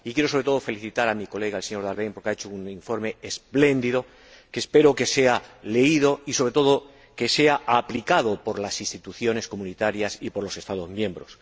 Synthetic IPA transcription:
ikje̞ɾosoɾe̞t̪o̞ð̞ofe̞liθit̪aɾamiko̞le̞ɣaelse̞ɲo̞ɾðaɾβejŋpo̞ɾkeaet͡ʃouniɱfo̞ɾme̞esple̞nd̪iðo̞ | keːspe̞ɾoke̞se̞ale̞iðo̞iso̞βɾe̞t̪o̞ðo | ke̞seaʔaplikað̞opo̞ɾlasinst̪it̪uθjo̞ne̞sko̞mũnit̪aɾjasipo̞ɾlo̞se̞st̪að̞o̞zmjẽ̞mbɾo̞s

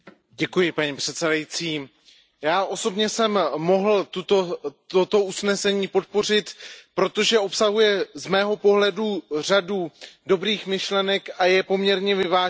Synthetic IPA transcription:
ɟɛkujɪpaɲipr̝̥ɛt̪sɛdajit͡siː | jaːʔo̞so̞bɲɛsɛmmo̞ɦl̩t̪ut̪ot̪ot̪o̞ʔusnɛsɛɲiːpo̞t̪̚po̞r̝ɪt̪pɾo̞t̪o̞ʒɛo̞psaɦujɛzmɛːɦo̞po̞ɦlɛdur̝aduːdo̞bɾiːxmɪʃlɛnɛkʔajɛpo̞mɲɛɾɲɛvɪvaː

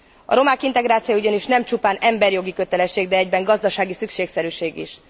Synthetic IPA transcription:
ɒ̰ɾo̞maːkint̪ɛɡɾaːt̪sijouɟɒniʃnɛmt͡ʃupaːnɛmbɛrjo̞ɡikø̞t̪ɛlɛʃːeːɡd̪ɛɛɟbɛŋɡɒzd̪ɒʃaːɡisykʃeːksɛɾyːʃeːɡḭʃ

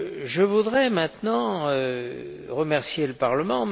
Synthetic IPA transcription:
ʒəvud̪ʁɛmɛ̃t̪nɑ̃ø | ʁəmɛʁsjeləpaʁləmɑ̃

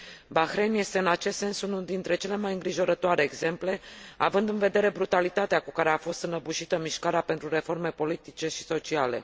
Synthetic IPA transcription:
baxɾenje̞st̪e̞ɨnat͡ʃe̞st̪se̞nsunud̪int̪ɾe̞t͡ʃe̞le̞majɨŋɡɾiʒo̞ɾət̪oaɾe̞ːɡze̞mple̞a̰vɨnd̪ɨnve̞d̪e̞ɾe̞bɾut̪alit̪at̪eakukaɾe̞afo̞st̪ɨnəbuʃit̪əmiʃkaɾeape̞nt̪ɾure̞fo̞rme̞po̞lit̪it͡ʃe̞ʃi̥so̞t͡ʃiale̞̰

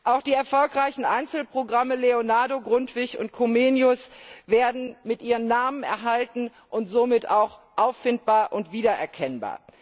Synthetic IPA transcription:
ʔaʊxd̥iːɛɐfɔlkʁaɪçn̩ʔaɪnt͡sl̩pʁ̥oɡʁaməleonaɐdoɡʁʊntv̥ɪçʊ̰nt̚kʰomeːnjʊsveːɐdn̩mɪtʔiːʁənːaːmənɛ̰ɐɦaltn̩ | ʔʊntz̥oːmɪtaʊxʔaʊfɪntb̥aːɐʔʊntv̥iːdɐʔɛɐkʰɛnba̰ːɐ

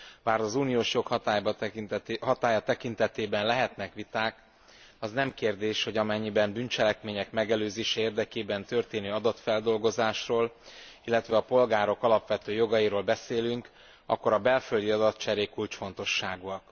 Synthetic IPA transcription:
baːɾɒzuːnijoːʃjo̞khɒt̪ajb̪ | hɒt̪aːjɒt̪ɛkin̪t̪ɛt̪eːbɛnlɛɦɛt̪nɛkʋit̪aːk | ɒznɛmkeːrd̪eːʃho̞ɟɒmɛɲːibɛmbynt͡ʃɛlɛkmeːɲɛkmɛɡɛløːzeːʃɛeːrd̪ɛkeːbɛnt̪ø̞rt̪eːnøːɒd̪ɒt̪fɛld̪o̞lɡo̞zaːʃroːl | ilːɛt̪ʋɛɒpo̞lɡaːɾo̞kɒlɒpʋɛt̪øːjo̞ɡɒjiɾoːlbɛseːlyŋk | ɒ̰kːo̞ɾɒbɛlføld̪iɒd̪ɒt̪t͡ʃɛɾeːkːult͡ʃfo̞nt̪o̞ʃːaːɡuɒk

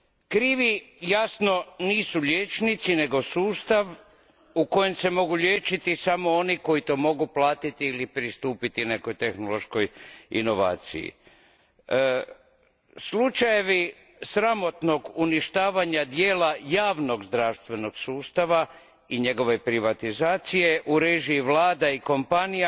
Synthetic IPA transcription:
kɾiːʋijasno̞niːsuʎʲjeːt͡ʃnit̪sine̞ɡo̞suːst̪aʋ | uko̞je̞mse̞mo̞ɡuʎʲeːt͡ʃit̪isamooniko̞it̪o̞mo̞ɡuplaːt̪it̪iːlipɾist̪uːpit̪ine̞ko̞jt̪e̞xnolo̞ʃko̞jḭno̞ʋa̰ːt̪sḭjḭ | slut͡ʃaje̞ʋi | sɾamo̞t̪no̞ɡuniʃt̪aːʋaɲad̪je̞ːlajaːʋno̞ɡzd̪ɾaʋst̪ʋe̞no̞ɡsuːst̪aʋa | iɲe̞ɡo̞ʋe̞pɾiʋat̪izaːt̪sije̞ʔuɾeʒiːʋlaːd̪aiko̞mpanija

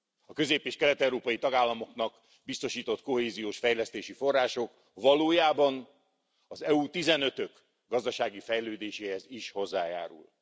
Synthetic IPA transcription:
ɒkø̞zeːpeːʃkɛlɛt̪ɛwɾoːpɒjit̪ɒɡaːlːɒmo̞knɒk | bist̪o̞ʃiːt̪o̞t̪ko̞ɦeːzijoːʃfɛjlɛst̪eːʃifo̞rːaːʃo̞k | vɒloːjaːbɒn | ɒzɛut̪izɛnø̞t̪ø̞k | ɡɒzd̪ɒʃaːɡifɛjløːd̪eːʃeːhɛziʃho̞zːaːja̰ːɾṵl

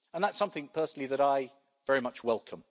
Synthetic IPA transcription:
ə̃nðatsʌ̃mθɪ̃ŋpʰɜˑsn̩l̩iðəɾaɪ | vɛɹimʌt͡ʃwɛlˠkʰə̃m

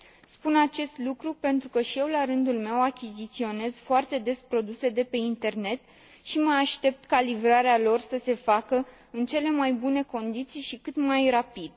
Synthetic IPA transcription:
spunat͡ʃe̞st̪lukɾupe̞nt̪ɾukəʃije̞wlaɾɨnd̪ulme̞wakʲizit̪sio̞ne̞zfoart̪e̞d̪e̞spɾo̞d̪use̞d̪e̞pe̞int̪e̞rne̞t̪ | ʃiməaʃt̪e̞p̚t̪kalivɾaɾealo̞rsəse̞fakə | ɨnt͡ʃe̞le̞majbune̞ko̞nd̪it̪sijʃikɨt̪majrapid̪

